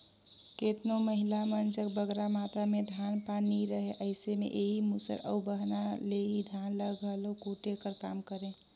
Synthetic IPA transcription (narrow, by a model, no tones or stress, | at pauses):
ket̪noməɦilamənt͡ʃək̚bəɡɾamat̪ɾamed̪ʱjanpaniɾəɦeʔəɪsemḛʔeɦimusə̰ɾə̰bəɦnaleɦid̪ʱjanləɡəlokuʈekəɾkamkəɾẽ